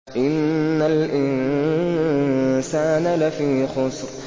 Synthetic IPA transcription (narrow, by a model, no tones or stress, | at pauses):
ʔɪnːalʔɪnn | saːnalafiːxʊsˤɾ